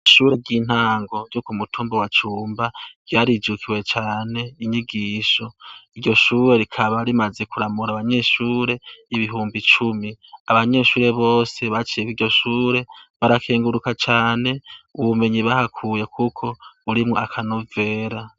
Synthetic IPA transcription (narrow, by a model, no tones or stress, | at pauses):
ʃuːɾe̞ɟiːn̥haːŋɡo̞ɟukumutʰuːmbowat͡ʃuːmbav̥ɟaːɾid͡ʒukʰiwe̞t͡ʃaːne̞iɲiɡiːʃo̞iɟo̞ʃuːɾe̞ɾikʰaβaɾimaze̞kuɾamuɾaβaɲe̞ʃuːɾe̞iβiɦuːmbit͡ʃumiaβaɲe̞ːʃuːɾe̞βo̞ːse̞βat͡ʃiekiɾɟo̞ʃuːɾe̞βaɾakʰeːŋɡuɾukat͡ʃaːne̞uβume̞ɲiβahakʰuːje̞kʰukʰo̞uɾimŋoakʰano̞ve̞ːɾa